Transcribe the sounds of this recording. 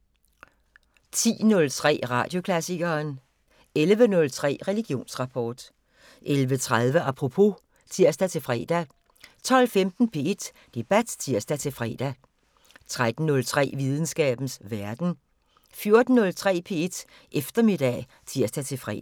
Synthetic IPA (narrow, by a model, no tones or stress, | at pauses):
t͡sʰḭːnɔ̽lt͡sʰʁɛ̰ːʁɑ̈d̥jo̝kʰlæsiɡ̥ɐːn | elʋənɔ̽lt͡sʰʁɛ̰ːʁɛliɡ̥jo̝̰ːnsʁɑ̈pʰɒ̰ːd̥ | ʔelʋət͡sʰʁaðˠʋəʔɑpʰʁopʰo̝ | t͡sʰiɐ̰sd̥æt͡sʰe̝lfʁɛ̰ːd̥æ | t͡sʰɒ̽l̰femd̥n̩pʰe̝ed̥ | d̥e̝b̥æd̥t͡sʰiɐsd̥æt͡sʰe̝lfʁɛ̰ːd̥æ | t͡sʰʁad̥n̩nɔ̽lt͡sʰʁɛ̰ːʋið̞ˠn̩sɡ̥ɛ̰ːb̥n̩sʋæɐd̥n̩ | fjo̝ɐd̥n̩ːɔ̽lt͡sʰʁɛ̰ːpʰe̝̰ːe̝d̥ | ʔefd̥ɐme̝d̥ɛ̰ | t͡sʰiɐ̰sd̥æt͡sʰe̝lfʁɛ̰